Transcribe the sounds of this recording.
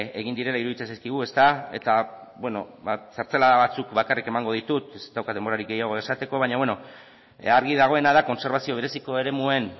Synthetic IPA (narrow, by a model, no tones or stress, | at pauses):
e̞ɣ̞ind̪iɾe̞laiɾuðit͡sesajskiɣ̞ue̞st̪ae̞̰t̪a | βwe̞no̞βasaɾt͡selaðaβat͡sukβakarike̞maŋɡo̞ð̞it̪ut̪est̪awkat̪d̪e̞mboɾaɾikɡe̞jaɣ̞o̞e̞sat̪e̞ko̞βaɲaβwe̞no | aɾɣiðaɣ̞o̞e̞nað̞ako̞nse̞ɾβasio̞β̞e̞ɾe̞siko̞e̞ɾe̞mue̞n